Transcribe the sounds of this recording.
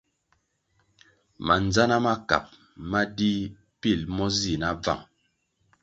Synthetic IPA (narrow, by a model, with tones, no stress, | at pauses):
ma̰˨n˨d͡za˦na˦ma˦ka̰˨p̚ | ma˦di˦ | pi˦˨lmɔ˦zi˨na˦b͡va̰˨ŋ